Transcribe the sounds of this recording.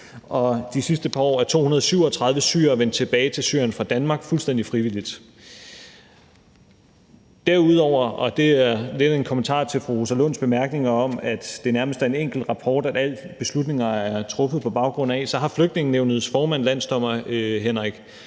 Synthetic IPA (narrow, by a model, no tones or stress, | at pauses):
ʔɒ̽d̥isisd̥əpʰɑ̈ɒ̰ːæɐt͡sʰo̝̰ːunɐð̞ˠsyʊ̰ɒ̽t͡sʰʁɑ̈ð̞ˠʋəsy̰ɐɐɒʋen̰d̥̚t͡sʰe̝b̥ɛːɪt͡sʰe̝lsy̰ɐ̰jənfʁɑ̈d̥ænmɑ̈ːɡ̥fulsd̥en̰d̥ifʁiʋil̰id̥ | d̥æɐuð̰ˠɒʊ̰ɐɒ̽d̥e̝æɐle̝d̥e̝nkʰɔ̽mənt͡sʰɑ̰̈ːt͡sʰe̝lfʁuʁosælonsb̥e̝mæɐɡ̥ne̝ŋɐɒ̽mæd̥d̥e̝næɐməsd̥æɐe̝neŋ̰ɡ̥l̩d̥ʁɑ̈pʰɒːd̥æd̥æl̰̥b̥e̝slud̥ne̝ŋɐæɐt͡sʰʁɔ̽fð̩ˠpʰɒ̽b̥ɑ̈ʊɡ̥ʁɔ̽n̰æsɒ̽ɦɑ̈fløɡ̥d̥ne̝ŋn̩neʊnəð̞̩ˠsfɒːmæn̰læn̰sd̥ɒ̽m̰ɐɦenʁaɡ̥